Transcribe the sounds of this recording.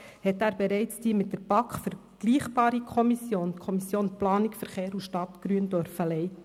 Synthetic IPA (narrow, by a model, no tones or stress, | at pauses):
hɛtæːɾbɛɾɛɪt͡sd̥iːmɪt̚ːəɾpɑkχfəɾɡ̥liːχb̥ɑːɾikʰɔmisjoːnkʰɔmisjoːnplɑːnikfəɾχeːɾusʃtɑtɡ̥ɾyəndœɾfəlɛɪ